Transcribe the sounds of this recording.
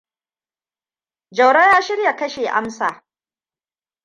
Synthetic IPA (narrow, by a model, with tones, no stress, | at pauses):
d͡ʒɐ˨wɽa˦jaː˦ʃɪ˦ɾja˨kɐ˦ʃeː˨ʔa˦msaː˨